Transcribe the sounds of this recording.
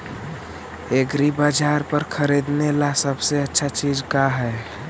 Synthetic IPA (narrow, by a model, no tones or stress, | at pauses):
ekɾibəd͡ʒaɾpəɾkʰəɾid̪nelasəbseətːʃʰat͡ʃid͡ʒkaɦɛ